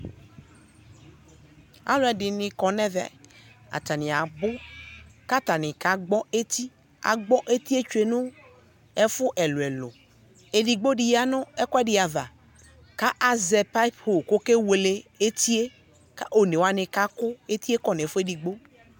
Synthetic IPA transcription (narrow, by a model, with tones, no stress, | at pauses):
a̰˦lʊ˦ɛ˨dɪ˨nɪ̃˨kɔ˨nɛ̃˦vɛ̰˨a̰˨t̪a˨nɪ̃˨a˨bʊ˦ka˦t̪a˨nɪ̃˨ka˦ɡ͡bɔ˦e˦t̪i˦ | a̰˨ɡ͡bɔ˦ʔe˦t̪i˦e˦t͡ʃu˦e˨nʊ̃˦ | ɛ˦fʊ˦ʔɛ˨lʊ˨ɛ˨lʊ˨ | e˨ɖi˨ɡ͡bo˦ɖi˨ja˦nʊ̃˦ɛ˦kɔ˦ɛ˦ɖɪ˨a˨va˨ | ka˦ʔa˨zɛ˨pa˦i˦pho˨ko˦ke˦we˨le˨e˦t̪i˦e˦ | ka˦ʔo˨ne˨wa˦nɪ̃˨ka˦kʊ˦e˦t̪i˦e˦kɔ˨nẽ˨fʊ˦e˦di˨ɡ͡bo˦